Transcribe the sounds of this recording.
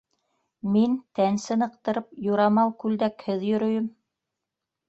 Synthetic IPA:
mint̪ænsɘnɤ̆q̚t̪ɤ̆ɾɤp̚juɾɑmɑw̪ˠkʉld̪ækhɘðjɵ̆ɾɵ̆jɵm

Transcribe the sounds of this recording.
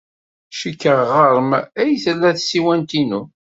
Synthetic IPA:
ʃəkːəʁʁəɾˤəmæjθəlːæθsiwænt̪inu

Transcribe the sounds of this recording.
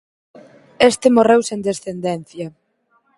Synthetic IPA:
est̪ɪmorewsend̪esθend̪ɛn̟θjɐ

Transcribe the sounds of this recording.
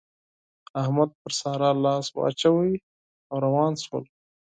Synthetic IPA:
ahmad̪̚pəɾsɑːɾɑːlɑːswa̰ːt͡ʃawi | awɾawɑːnswə̰l

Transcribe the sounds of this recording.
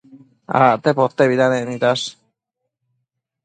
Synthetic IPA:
a̰t̪epot̪ːeβid̪anenit̪as

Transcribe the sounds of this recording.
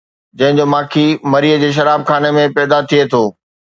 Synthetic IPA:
d͡ʑɐ̃ɦɪ̃ɲd͡ʑomaːkʰimɐɾiːəd͡ʑeːʃ̬ɐɾaːb̚kʰaːnemẽpɛːd̪at̪ʰiet̪ʰoː

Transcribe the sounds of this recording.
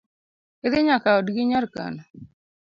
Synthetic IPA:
ɪd̪ɪɲakaɔdɡɪɲɔrka̰n

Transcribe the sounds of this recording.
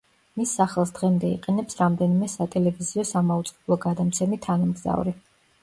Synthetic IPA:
misːaχɛlˠsd̪̥ʁɛmd̪ɛḭqʼɛnɛpsɾamd̪ɛnimɛsat̪ʼɛlɛviziɔsamaut̪sʼqʼɛblˠɔɡad̪amt̪sʰɛmit̪ʰanamɡza̰vuɾi

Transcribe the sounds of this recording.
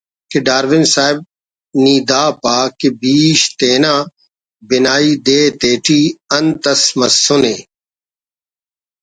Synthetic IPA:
keɖaːɾʋɪŋsaːɪb̚ | niːd̪aːpaːkebiːʃt̪eːnãː | bɪnaːiːd̪eːt̪eːʈʰiːɐnt̪ɐsmɐsːʊneː

